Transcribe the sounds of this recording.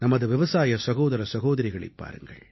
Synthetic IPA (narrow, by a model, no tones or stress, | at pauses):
nɐmɐðɯʋɪʋɐsaːjɐsɐɣoːðɐɾɐsɐɣoːðɐɾɪɣɐɭɪ̰pːa̰ːɾɯ̰ŋɡɐ̰ɭ